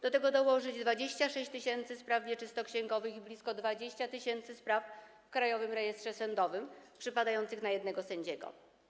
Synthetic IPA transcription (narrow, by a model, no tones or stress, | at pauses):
d̪̥ɔt̪ɛɡɔd̪ɔwɔʐɘd͡ʑd̪vad͡ʑeɕt͡ɕaʂɛɕt͡ɕt̪ɘɕɛnt̪sɘspɾavvʲjɛt͡ʂɘst̪ɔkɕɛŋɡɔvɘxiblʲiskɔd̪vad͡ʑeɕt͡ɕat̪ɘɕɛnt̪sɘspɾaf | fkɾajɔvɘmɾɛjɛst̪ʂɛsɛnd̪ɔvɘmpʂɘpad̪ajɔnt̪sɘxnajɛd̪nɛɡɔsɛɲd͡ʑɛɡɔ̰